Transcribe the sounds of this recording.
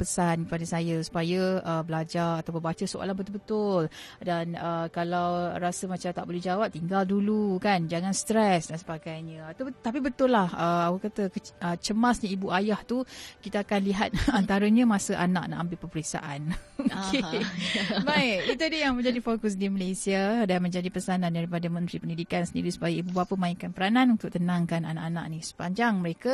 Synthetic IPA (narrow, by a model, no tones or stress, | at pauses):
pəsankəpadasajəsu̥pajəʔəbəlad͡ʒarat̪awponbat͡ʃəsoʔa̰lanbət̪ʊlbət̪ʊl | danəkalawɾasəmat͡ʃamt̪a̰ʔbolɛhd͡ʒawap̚t̪iŋɡaldulukand͡ʒaŋãnst̪ɾɛsdansə̥paɡajɲə̃at̪at̪ap̬ibət̪ʊlːahəawakat̪əkəət͡ʃəmasɲəibuajaht̪ukit̪aakanliɦat̪̚ant̪aɾəɲəmasəʔa̰na̰ʔ̚na̰ʔambɪʔpəpəɾik̚sa̰ʔanoke | bajit̪udəjaŋmə̃ɲd͡ʒadifokʊs̬diməlesiadanmə̃ɲd͡ʒadipəsanandaɾipadəmə̃nt̪ɾipəndidikansəndiɾisu̥pajəibubapəmaiŋkanpəɾananunt̪ʊkʔ̚t̪ənãŋkana̰naʔana̰ʔnisə̥paɲd͡ʒaŋməɾeka